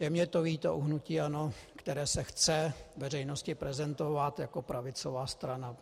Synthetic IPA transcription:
jɛmɲɛt̪oviːt̪o̰ʔuɦnuciːanokt̪ɛɾɛːsɛxt͡sɛvɛrɛjnoscɪpɾɛzɛnt̪o̞vat̪jakopɾavɪt͡sovaːst̪ɾana

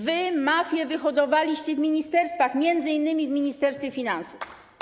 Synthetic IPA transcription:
vɘmafʲjɛvɘxɔd̪ɔvalʲiɕt͡ɕɛvmʲiɲist̪ɛɾst̪faxmʲjɛnd̪zɘinːɘmʲivmʲiɲist̪ɛɾst̪fʲjɛfʲinansuf

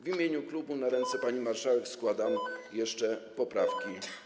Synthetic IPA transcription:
vʲimʲjeɲuklubunaɾɛnt̪sɛpaɲimaɾʂawɛkskwad̪amjɛʂt͡ʂɛpɔpɾafkʲi

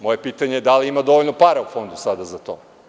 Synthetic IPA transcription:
mo̞je̞piːt̪aɲejed̪aliimad̪o̞ʋoʎnopaɾaufo̞nd̪usad̪azat̪o̞̰

